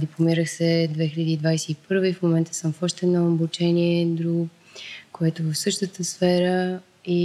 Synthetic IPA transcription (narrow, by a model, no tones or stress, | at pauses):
d̪iplˠomiɾəxsɛd̪vɛxiʎəd̪iːd̪vajsɛipɤɾviifmomɛnt̪ə̥səmfɔʃt̪ɛnɐobot͡ʃɛniɛd̪ɾuɡ | koɛt̪ovəfsɤʃt̪ət̪əsfɛɾə | i